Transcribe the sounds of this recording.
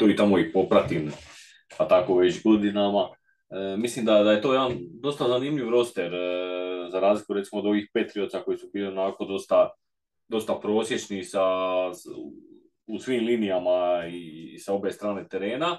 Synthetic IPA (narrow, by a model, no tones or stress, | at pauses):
t̪oːit̪amo̞ipo̞pɾat̪in | pat̪ako̞ʋe̞t͡ɕɡo̞d̪inama | mislimd̪ad̪aje̞t̪o̞ːjeand̪o̞st̪azaniːmʎʲiʋɾo̞st̪eɾ | zaɾaːzlikuɾet̪imod̪o̞ʋiːxpe̞t̪ɾio̞t̪sako̞jisubiːlio̞nako̞d̪o̞st̪a | d̪o̞st̪apɾo̞ːsje̞t͡ʃnisa | usʋiːmlinijamaisao̞be̞st̪ɾaːne̞t̪e̞ɾe̞ːna